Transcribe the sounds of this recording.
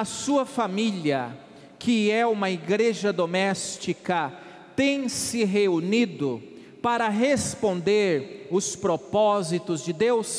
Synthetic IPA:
ɐsuɐfamiliɐ | kʰɪɛũmɐiɡɾeʒɐd̪omɛst͡ʃikɐ | t̪ẽj̃sɪɦeunid̪ʊ | paɾɐɦespõnd̪eɾʊspɾopɔzit̪ʊzd͡ʒɪd̪ews

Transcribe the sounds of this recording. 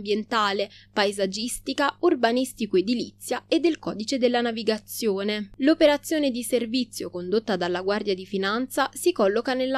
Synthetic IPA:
bjent̪aːlepajzad͡ʒist̪ikaurbanist̪ikoed̪ːilit̪sːjaed̪ːelkɔːd̪it͡ʃed̪elːanaviɡat̪sjoːnelopeɾat̪sːjoːned̪iservit̪sːjokond̪ot̪ːad̪alːaɡward̪jad̪ifinant̪sasikɔlːokanelːa

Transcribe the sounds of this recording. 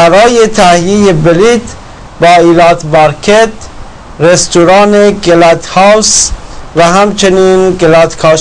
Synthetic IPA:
æɾɒːjet̪ʰæhjejebelit̪ | bɒːiːlɑːt̪bɑɾkʰet̪ | ɾest̪uɾɑːneɡelæt̪hɑwsvæhæmt͡ʃʰeniːnɡelæt̪kʰɒː

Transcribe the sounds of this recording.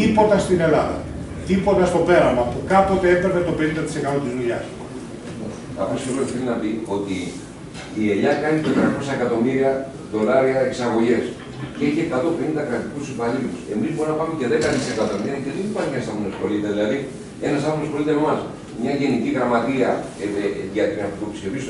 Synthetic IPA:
ipo̞t̪ɐst̪ine̞lɐðɐ̰ | t̪ipo̞t̪ɐst̪o̞pe̞ɾɐmɐpukɐpo̞t̪eefevet̪o̞penĩnd̪ɐt̪i̥sekat̪ot̪izluʎɐs | os | ɐ̰fosioloiθelinɐpio̞t̪ḭː | e̞ʎɐkɐnit̪et̪ɾɐko̞sɐekɐt̪o̞miɾiɐ | ðo̞lɐɾiɐeksɐɣo̞ʝe̞s | ceçekɐt̪o̞pind̪ɐkɾɐt̪ikussipɐliluse̞mizboɾinɐpɐmece̞ðekɐnisekɐt̪o̞miɾɐceðenipɐnienɐst̪ɐmonosko̞lit̪eðilɐði | e̞nɐsɐmonospolit̪emɐs | mɲɐʝe̞niciɣɾɐmɐt̪iɐ | ʝɐʝɐt̪t̪opiscevis

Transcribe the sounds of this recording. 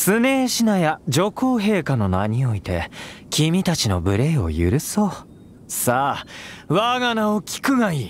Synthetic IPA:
sɨne̞ːɕinajad͡ʑo̞ko̞ːɦe̞ːkano̞naɲ̟io̞it̪e̞̰kʲʰimʲit̪at͡ɕino̞̰bɯ̟ɾe̞ːo̞̰jɯ̟̰ɾɯ̟so̞ː | saːβaɡanaokʲi̥kɯ̟ɡaiː

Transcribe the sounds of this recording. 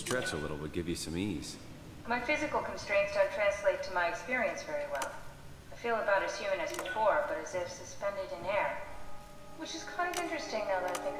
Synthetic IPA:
stɹ̥ɛt͡ʃəlɪ̰ɾl̩ˠwəd̚ɡɪvjɨsʌ̃miz̥ | maɪfɪzɨkl̩ˠkʰn̩stɹ̥ẽɪ̃ntsətʰɹ̥æ̃nsleɪtʰɨmaɪɨkspɪɹiɨ̃nsvɛɹiwɛlˠ | aɪfilˠəbaʊɾɨz̥hjʉmɨ̃nɨzbɨfɔɹb̥ʌɾɨzɪfsɨspɛ̃ndɨɾɨ̃nɛɹ | wɨt͡ʃɨz̥kʰãɪ̃ndʌvɪ̃nt͡ʃɹ̥ɨstɪ̃ŋnaʊðɨɾaɪθɪ̃ŋ

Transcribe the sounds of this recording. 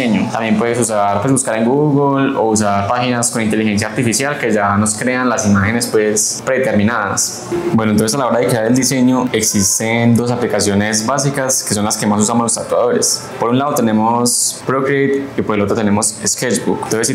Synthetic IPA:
eɲot̪ambje̞mpwe̞ðesusaɾpwe̞zbuskaɾeŋɡuɣulo̞̰us̬aɾpaxinasko̞nint̪e̞lixe̞ns̬jaɾt̪ifisjalke̞ʝano̞skɾe̞anlasimaxe̞ne̞spwespɾe̞t̪e̞ɾmĩnaða̰s | bwenoent̪onsesalao̞ɾaðekɾeaɾe̞ld̪ise̞ɲoe̞ksist̪end̪o̞s̬aplikasjo̞ne̞zbasikaske̞so̞nlaske̞masus̬amozlost̪at̪waðo̞ɾes | po̞ɾunlaðo̞t̪e̞ne̞mospɾokɾet̪ipo̞ɾelo̞t̪ɾot̪e̞ne̞mo̞sesked͡ʒbuknt̪onses

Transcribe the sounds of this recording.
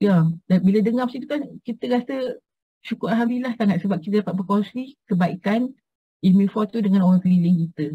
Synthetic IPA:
jadanbilədəŋamsit̪ukankit̪əɡasə | ʃukʊɾalɦamilaht̪anaʔ̪səbap̚kit̪̬ədapat̪̚bəkonsɾikəbaikan | imĩfɔt̪udəŋanoɾaŋkəɾiləŋkit̪ə

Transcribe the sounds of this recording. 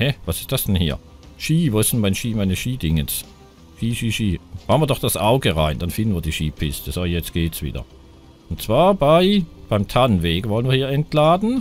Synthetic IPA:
hɛvasɪstd̥asd̥ɛnhiːɐ | ʃiːvoːsɪntmaɪnʃiːmaɪnəʃiːdɪŋəns | ʃiːʃiːʃiːhaʊnviɐdɔχd̥asʔaʊɡəʁa̰ɪnd̥anfɪndn̩viːɐdiːʃiːpʰɪstʰəsoːjɛt͡stɡ̥eːtsv̥ḭːdɐ̰ | ʊntt͡sv̥aːɐbaɪb̥aɪmtʰanveːɡəvɔlən̩viːɐiːɐɛntlaːdn̩

